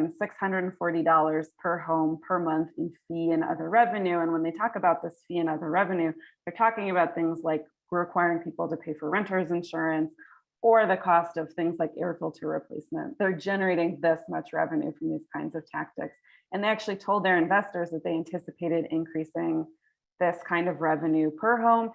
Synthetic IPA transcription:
nsɪkshʌ̃ndɹɨɾn̩fɔɹɾidɔlˠə˞z̥pʰə˞ɦõʊ̃mpʰə˞mʌ̃nθɨ̃nfiɨ̃nʌ̰ðə˞ɹɛvɨ̃nʉə̃nwə̃nðeɪtʰɔkɨbaʊt̪̚ðɪsfiɨ̃nʌðə˞ɹɛvɨ̃njʉðə˞tʰɔkɪ̃ŋɨβaʊt̪̚θɪ̃ŋzlaɪk | ɹɪkʰw̥aɪəɹɪ̃ŋpʰipl̩ˠtɨpʰeɪfə˞ɹɛ̃ntə˞zɨ̃nʃʊɹɨ̃ns | ə˞ðɨkʰɔstʌv̥θɪ̃ŋzlaɪkɛɹfl̩ˠtʰɨɹɨ̰pʰl̥ḛɪsmɨ̰̃nðə˞d͡ʒɛnə˞eɪɾɪ̃ŋðɪsmʌt͡ʃɹɛ̰vɨ̃nʉ̰fɹʌ̃mðiz̥kʰãɪ̃ndzʌv̥tʰæk̚tɨ̰ks | ɨ̃nðeɪæk̚t͡ʃʉl̩ˠitʰoʊlˠd̪̚ðə˞ɨ̃ɱvɛstə˞zðɨt̪̚ðeɪæ̃ntʰɪsɨpʰeɪɾɨɾɪ̃nkʰɹ̥isɪ̃ŋ | ðɪskʰãɪ̃ndʌvɹɛvɨ̃njʉpʰə˞ɦõʊ̃m

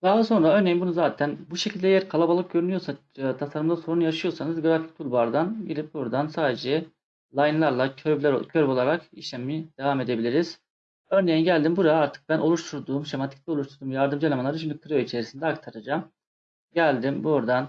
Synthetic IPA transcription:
d̪aɯso̞nɾaø̞ɾnejinbunuzaːt̪ʰænbuʃecʰilʲd̪ɛjæɾkʰalˠabalˠɯk̚ɟø̞ɾynyjo̞ɾsa | t̪ʰasaɾɯmd̪asoɾunjaʃɯjo̞ɾsanɯzɡɾafi̥c̚t̪ʰulʲˠbaɾd̪anbilibuɾd̪ansaːd̪ed͡ʒɛ | lˠajɯnlˠaɾlˠaøɾblʲæɾo̰cʰøɾbo̞lˠaɾakiʃlʲæmimid̪evame̞d̪e̞bilʲiɾiz̥ | ø̞ɾne̞jinɟælʲd̪imbuɾaaɾt̪ʰɯ̥k̚bænʔo̞lˠuʃt̪ʰuɾd̪uːmʃemant̪ʰi̥ct̪ʲɛouʃt̪ʰuɾd̪umjaɾd̪ɯmd͡ʒalʲˠamanˠaɾyt͡ʃimʲik̪ʰɯɾøit͡ʃʰeɾisind̪ɛakt̪ʰaɾad͡ʒam | ɟælʲd̪imbuɾd̪an

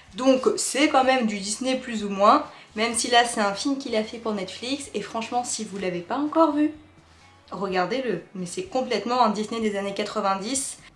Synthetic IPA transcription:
d̪ɔ̃ksɛkɑ̃mɛmd̪yd̪isneplyzumwɛ̃mɛmsilasɛt̪ɛ̃filmkʲilafɛpuʁnɛt̪fliksefχɑ̃ʃmɑ̃sivulavepaɑ̃kɔʁvy | ʁəɡaʁd̪eləmɛsɛkɔ̃plɛt̪mɑ̃ɛ̃d̪isned̪ezanekat̪χəvɛ̃d̪is

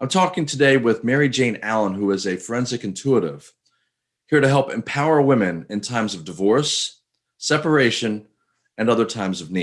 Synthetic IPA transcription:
ãɪ̃mtʰɔkɪ̃ŋtʰɨdeɪwɪðmɛɹid͡ʒẽɪ̃nælˠə̃nɦuɪzɨfɹɛ̃nzɨkɨ̃n̩tʰuəɾɪ̰v̥ | hiɹɾɨɦɛlˠpɨ̰̃mpʰaʊə˞wɪ̃mɨ̃nɨ̃ntʰãɪ̃mzʌvdɨvɔɹsː | ɛpə˞eɪʃɨ̃n | ɨ̃nʌðə˞tʰãɪ̃mzʌvni

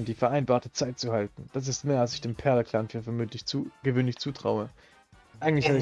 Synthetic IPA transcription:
md̥iːfɛɐʔaɪnbaːɐtət͡saɪt̚t͡suhaltn̩d̥as̬ɪstmeːɐalsɪçd̥eːmpʰɛɐləkʰl̥anfyːɐfɛɐmøtɪçuɡ̥əvøːnlɪçt͡suːtʁ̥a̰ʊə | ʔaɪɡŋ̩tlɪçhaːdəɪ

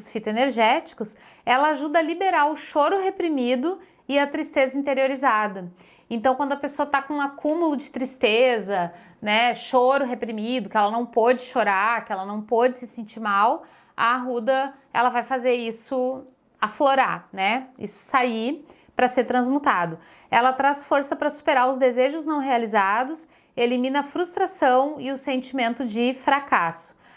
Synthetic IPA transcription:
sfit̪ʊeneɾʒɛt͡ʃɪ̥i̥kʊs | ɛlɐaʒud̪ɐɐlibeɾaɾʊʃoɾʊɦepɾimid̪ʊ | ɪɐt̪ɾist̪ezɐĩnt̪eɾioɾizad̪ɐ | ẽt̪ɐ̃w̃kʷwɐ̃nd̪ʊɐpesoɐt̪akõũakũmulʊd͡ʒɪt̪ɾist̪ezɐ | nɛʃoɾʊɦepɾimid̪ʊkɪɛlɐnɐ̃w̃pɔd͡ʒɪʃoɾakɪɛlɐnɐ̃w̃pod͡ʒɪsɪsẽnt͡ʃiɾmaw | ɐ̰ɦud̪ɐ | ɛ̰lɐvajfazeɾisʊ | afloɾa̰ɾnɛḭsʊ̥sai | pɾɐseɾt̪ɾɐ̃zmut̪ad̪ʊ | ɛlɐt̪ɾasfoɾsɐpɾɐsu̥peɾaɾʊzd̪ezeʒʊznɐ̃w̃ɦealizad̪ʊs | elimĩnɐfɾust̪ɾasɐ̃w̃ɪʊsẽnt͡ʃimẽnt̪ʊd͡ʒɪfɾakasʊ̥

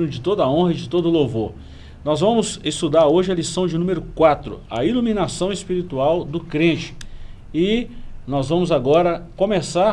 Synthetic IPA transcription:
ʊd͡ʒɪt̪od̪ɐɐõɦɐɪd͡ʒɪt̪od̪ʊlovoɾ | nɔzvɐ̃mʊzest̪ud̪aɾoʒɪɐlisɐ̃w̃d͡ʒɪnũmeɾʊkwat̪ɾʊ̰ɐilumĩnasɐ̃w̃espiɾit̪uawd̪ʊkɾẽt͡ʃɪ̥ | ɪnɔzvɐ̃mʊzaɡɔɾɐkõmesa

